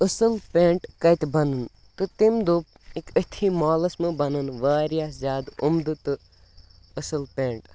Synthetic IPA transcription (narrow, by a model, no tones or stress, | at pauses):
əsɨlpeːɳʈkɐjt̪bɐnɨn | t̪ɨt̪imd̪up | ikət̪ʰiːmaːlɐsmɨbɐnɨnʋaːɾijaːzʲjaːd̪umd̪ɨt̪ɨ | əsɨlpẽːɳʈ